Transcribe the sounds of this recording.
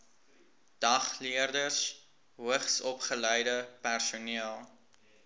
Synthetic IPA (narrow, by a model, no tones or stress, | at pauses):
d̥ɐχliərdərs | ɦuəχsɔpχəlɛjdəpærsuniəlˠ